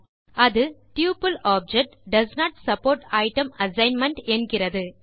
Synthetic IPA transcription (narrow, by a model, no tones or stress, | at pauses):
ʔɐðɯʈjuːpɐlaːb̚d͡ʒɛk̚ʈɖɐsnaːʈsɐpoːɾʈɐɪʈɐmɐsɐɪnmɐɳʈɛnɡɪrɐðɯ